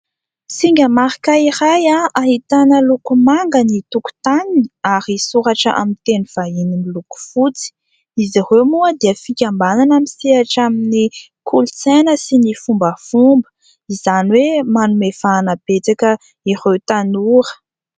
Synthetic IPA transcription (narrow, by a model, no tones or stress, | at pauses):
siŋɡʲəmaɾikaiɾajaʔaɦit̪anəlukumaŋɡənit̪uku̥t̪anaɾisuɾaʈ͡ʂəʔa̰mint̪eniv̥ainimiluku̥fut͡si̥ | iziremuəd̪iəfikʲambananamisiaʈ͡ʂamini | kʰulut͡senəsinifumbəfumbə̥ | izaniwemanumefaːnəb̥et͡sakə | irewt̪anuɾə̥